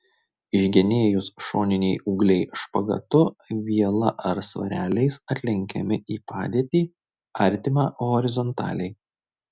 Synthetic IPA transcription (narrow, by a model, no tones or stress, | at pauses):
ɪʒʲɡʲɛnʲeːjʊsʃoːnʲɪnʲɛɪuːɡlʲɛɪʃpɐɡɐ̰t̪ʊʋʲiɛlˠɐ̰ʔɐɾsʋɐ̰ɾʲæːlʲɛɪsɐt̪ʲlʲɪŋʲkʲɛ̰mʲɪʔiːpɑːd̪ʲiːt̪ʲiː | ɐɾʲt̪ʲɪmɑːʔoːɔɾʲɪzɔnt̪ɑ̰ːlʲɛɪ